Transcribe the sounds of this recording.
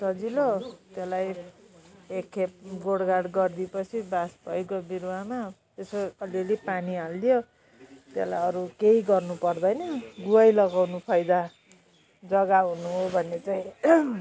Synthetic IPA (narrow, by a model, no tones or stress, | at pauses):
sʌd͡zilot̪elaj | ekʰːep̚ɡoɽɡaɽɡʌrd̪ipʌt͡sʰibasbʱʌjkobiɾama | esoʌlelipanialːijo | t̪elajʌɾukeiɡʌrnupʌrd̪ʌjnʌɡuajlʌɡawnupʰʌjd̪a | d͡zʌɡaɦunuɦobʱʌnːet͡saĩ